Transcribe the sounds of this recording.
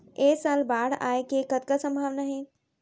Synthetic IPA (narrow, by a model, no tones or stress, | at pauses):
eːsalbaːɽa̰ːekekət̪kasə̃mbʱaːʋnaɦe